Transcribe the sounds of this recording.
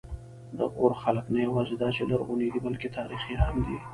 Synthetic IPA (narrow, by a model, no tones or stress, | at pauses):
d̪ə̰ʔoɾxaləknajawɑːzed̪ɑt͡ʃelaɾɣunid̪ibəlket̪ʰɑːɾixiɦamd̪i